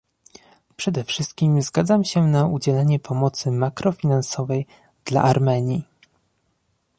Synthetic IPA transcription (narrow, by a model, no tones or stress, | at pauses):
pʂɛd̪ɛfʂɘst̪̚kʲimzɡad̪zamɕɛnaud͡ʑɛlɛɲɛpʰɔmɔt̪sɘmakɾɔfʲinansɔvɛj | d̪̥la̰ʔaɾmɛɲi